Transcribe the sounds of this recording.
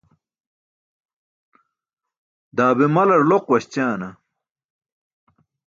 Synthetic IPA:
d̪aːbimɐlɐɾloqwɐɕt͡ɕaːnɐ

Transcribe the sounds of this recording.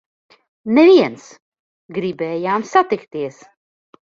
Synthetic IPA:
nɛviɛns | ɡɾiːbɛjaːmsat̪ɪkt̪eːs

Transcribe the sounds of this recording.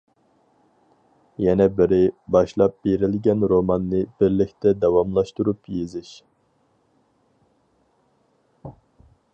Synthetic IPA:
jɛnɛbɪɾɪbɑʃlˠɑp̚biɾilɡʲɛnɾomɑnːɨb̥iɾlɪk̚ʲt̪ʰɛd̪ɛwɑmlˠɑʃt̪uɾupjizɪʃ

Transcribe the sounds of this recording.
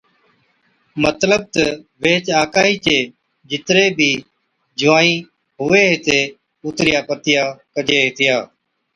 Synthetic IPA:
mət̪ləb̚t̪əʋeːt͡ʃaːkaːɦiːt͡ʃeː | d͡ʒɪt̪ɾeːbʱiː | d͡ʒʱʊʋaːĩː | ɦʊʋeːɦeːt̪eː | uːt̪ɾɪjaːpət̪ɪjaːkəd͡ʒeːɦeːt̪ʰɪjaː

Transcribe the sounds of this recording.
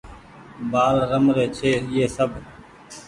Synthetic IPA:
baːlɾəmɾeːt͡ʃʰeːjeːsəb

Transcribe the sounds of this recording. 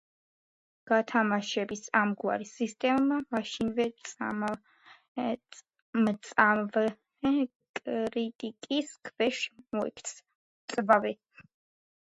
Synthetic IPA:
ɡ̥at̪ʰamaʃɛbisamɡwa̰ɾisist̪ʼɛmːamaʃinvɛsʼam | mt̪sʼamv | kʼɾit̪ʼikʼiskʰvɛʃmɔɛ̰kʰt̪s | t̪sʼbavɛ

